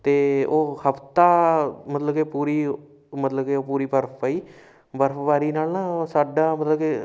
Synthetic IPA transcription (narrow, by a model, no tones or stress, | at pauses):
t̪eːoːhəpʰt̪aːmət̪ləbkeːpuːɾiː | mət̪ləbkeːoːpuːɾiːbəɾpʰpaːiː | bəɾpbaːɾiːnaːlnãːsaːɖaːmət̪ləbeː